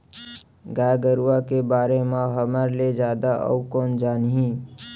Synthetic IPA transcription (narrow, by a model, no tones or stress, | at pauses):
ɡaːjɡəɾuwakebaːɾemãɦəməɾled͡ʒaːd̪aʔə̰ukɔːnd͡ʒaːnɦĩ